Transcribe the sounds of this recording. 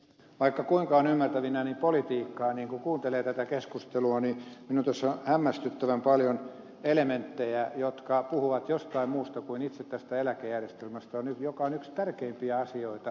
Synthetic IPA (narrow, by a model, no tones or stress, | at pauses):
ʋɑikːɑkuiŋkɑonymːært̪æʋinænimpolit̪iːkːɑːniːŋkukuːnt̪eleːt̪æt̪ækeskust̪eluɑniminunt̪æsːohæmːæst̪yt̪ːæʋæmpɑljon | element̪ːejæjot̪kɑpuhuʋɑt̪jost̪ɑimmuːst̪ɑkuinit̪set̪t̪æst̪æelækejærjest̪elmæst̪æonyt̪jokɑonykst̪ærkeimpiæɑsioit̪ɑ